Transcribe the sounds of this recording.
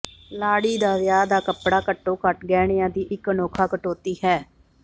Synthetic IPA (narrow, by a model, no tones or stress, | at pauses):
laːɽiːd̪aːʋjaːd̪aːkəpɽaːkəʈːoːkəʈɡɛːɽ̃ɪjãːd̪iːʔɪkənoːkʰaːkəʈoːt̪iːɦɛː